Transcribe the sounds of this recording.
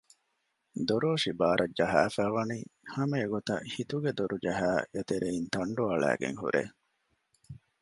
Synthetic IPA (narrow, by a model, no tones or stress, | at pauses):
d̪oɾoːʂibaːɾʔɐd͡ʒɐɦæːfæːʋɐniːhɐmeːɡot̪ɐ̰hit̪uɡed̪oɾud͡ʒɐɦæːet̪eɾeint̪ɐɳɖuɐɭæ̰ːɡḛŋhṵɾʔḛː